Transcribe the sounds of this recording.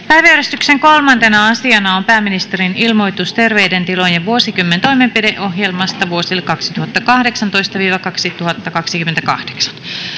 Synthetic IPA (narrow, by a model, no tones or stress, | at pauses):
pæjʋæjæɾest̪ykseŋko̞lmɑnt̪enɑɑsiɑnɑompæːmːinist̪eɾinilmo̞jt̪ust̪e̞rʋejdent̪ilojɑʋuosikymːent̪o̞jmempideʔo̞ɦjelmɑst̪ɑʋuosilkɑksi̥t̪uhɑt̪ːɑkɑhdeksɑnt̪o̞ist̪ɑʋiːʋɑkɑksit̪uhɑt̪ːɑkɑksikyment̪ækɑ̰hd̥eksɑ̥n